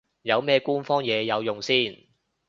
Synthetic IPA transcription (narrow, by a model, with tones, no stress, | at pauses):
jɐ˨˧wmɛː˥kuː˥nfɔː˥ŋjɛː˨˧jɐ˨˧wjʊ˨˩ŋsiː˥˩n